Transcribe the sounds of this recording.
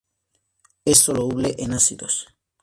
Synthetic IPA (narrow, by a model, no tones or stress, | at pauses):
esolouβleʔenasiðos